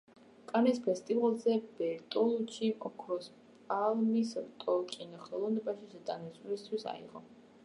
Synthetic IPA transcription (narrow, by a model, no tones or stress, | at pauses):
kʼanispʰɛst̪ʼivalˠzɛb̥ɛɾt̪ʼɔlˠut͡ʃʰiʔɔkʰɾɔs | pʼalmisɾt̪ʼɔkʼinɔχɛlˠɔvnɛbaʃiʃɛd̪ʼanisʼɾist̪ʰwisa̰ḭʁɔ